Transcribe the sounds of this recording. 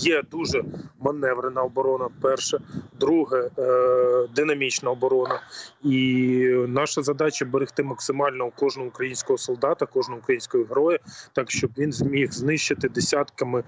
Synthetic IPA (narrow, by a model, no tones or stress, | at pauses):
jɛd̪uʒɛmɐnɛʋɾenɐɔbɔɾɔnɐfpɛrʃɛd̪ɾuɦɛ | d̪ɪnɐmʲit͡ʃnɐɔbɔɾɔnɐi | nɑʃɐzɐd̪ɑt͡ʃɐbeɾɪxt̪ɪmɐksɪmɑlʲnɔukɔʒnɔɦɔukɾɐjinʲsʲkɔɦɔsɔlˠd̪ɑt̪ɐkɔʒnɔɦʊukɾɐjinʲsʲkɔjiɦɾɔjɐt̪ɑkʃt͡ʃɔbʋʲinzmʲixznɪʃt͡ʃɪt̪ɪd̪esʲɑt̪kɐmɪ